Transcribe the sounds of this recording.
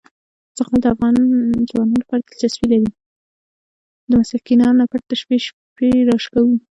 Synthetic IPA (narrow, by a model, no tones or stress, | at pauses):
t͡səqɑld̪əafɣɑnzwɑnulapɑɾad̪elt̪aswilaɾi | d̪əmasakinɑnnapaɽt̪əʃpiʃ | peɾɑʂkawi